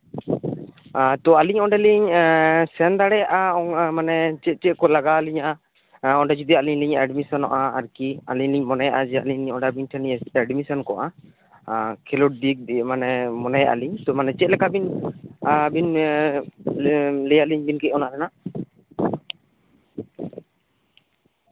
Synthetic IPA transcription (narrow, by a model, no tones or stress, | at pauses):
t̪ɔaliɲɔɖɛliɲsɛnd̪aɽɛjaʔaɔmanɛt͡ʃɛt̪̚t͡ʃɛʔ̚kɔlaɡaliɲa | ɔɖɛd͡ʒid̪ialiɲliɲʔɛɖmisɔnɔʔaːɾkia̰liɲliɲmɔnajaʔad͡ʒɛaliɲliɲɔɖabiɲʈʰɛniɲɛɛɖmisɔnkɔʔa | kʰɛluʈ̚dik̚d̪imanɛmɔnajaʔa̰liɲt̪ɔmanɛt͡ʃɛt̪̚lɛkabin | bin | lɛjaʔliɲbinkɛɔnaʔɾɛna